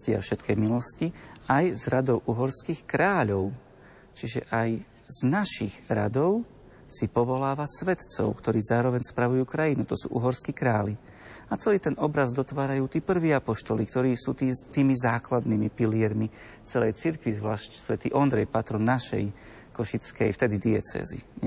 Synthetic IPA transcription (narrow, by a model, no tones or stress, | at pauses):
cia̰fʃɛt̪kʰɛjmilɔsciajzɾad̪ɔʊʔuɦɔɾskixkɾaːʎɔʊ | t͡ʃiʒɛ̰ʔaj | z̥naʃiɣɾa̰d̪ɔʊ | sipɔʋɔlaːʋasʋɛt̪t͡sɔ̰ʊkt̪ɔɾiːzaːɾɔʋɛɲspɾaʋujuːkɾajinut̪ɔsṵːʔuɦɔɾskikɾaːli | at͡sɛliːt̪ɛnɔbɾazd̪ɔt̪ʋaːɾajuːt̪iːpr̩ʋiːapɔʃt̪ɔlikt̪ɔɾiːsuːt̪iːt̪iːmizaːklad̪nimipiliɛɾmi | t͡sɛlɛjt͡siɾkʋizʋlaːʃcsʋɛt̪ḭːʔɔnd̪ɾɛjpat̪ɾɔnːaʃɛ̰j | kɔʃit͡skɛ̰jft̪ɛd̪id̪iɛt͡sɛ̰ːzḭ